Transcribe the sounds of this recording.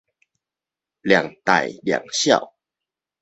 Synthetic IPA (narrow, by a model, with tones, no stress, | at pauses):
lja˨˩ŋt̪a̰˨˩jlja̰˨˩ŋɕja̰˥˧˨w